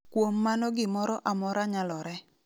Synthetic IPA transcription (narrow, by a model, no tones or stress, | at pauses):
kwomːanɔɡɪmɔɾɔʔamɔɾaɲalɔɾɛ